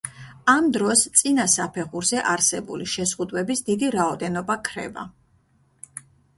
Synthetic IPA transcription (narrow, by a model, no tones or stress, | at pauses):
amd̪ɾɔst̪sʼinasapʰɛχuɾzɛʔaɾsɛbṵliʃɛzʁud̪wɛbisd̪id̪iɾaɔd̪ɛnɔbakʰɾɛ̰ba̰